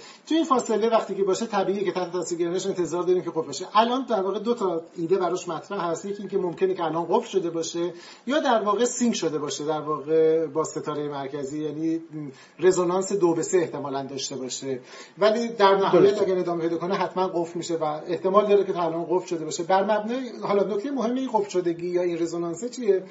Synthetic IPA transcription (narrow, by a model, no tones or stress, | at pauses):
t̪ʰujeinfɒːse̞le̞væxt̪iːkcʰe̞bɒːʃet̪ʰæbiːijecʰe̞t̪æht̪ʰeæsilɡeɾiːneʃe̞nt̪ʰe̞zɒːɾd̪ɒːɾiːmcʰe̞ɣofɾbeʃeʔælʔɒːnd̪æɾvɒːɣed̪ot̪ʰɒiːd̪e̞bæɾɒːʃmæt̪ʰɾæʔhæst̪jecʰʲiiːŋcʰe̞momcʰe̞necʰeælɒːnɢofɾʃo̞d̪e̞bɒːʃe | jɒːd̪æɾvɒːɣe̞siŋkʃo̞d̪e̞bɒːʃed̪æɾvɒːɣe̞bɒːse̞t̪ʰɒːɾejemæɾcʰæziːjæːniː | re̞zonɒnse̞d̪obe̞seeht̪e̞mɒːlænd̪ɒːʃt̪e̞bɒːʃe | væliːd̪æɾnæɦːjæt̪æɡʲæɾed̪ɒːmepʰe̞jd̪ɒːkʰoneɦæt̪mænɢofɾmiːʃe̞væe̞ht̪e̞mɒːld̪ɒːɾeceælʔɒːnɢofɾʃo̞d̪e̞bɒːʃebæɾmæbnɒːhɒlɒnok̚ʰʲt̪ejemoɦe̞mːeinɡofɾʃod̪e̞ɟiːjɒːinre̞zonɒnset͡ʃʰije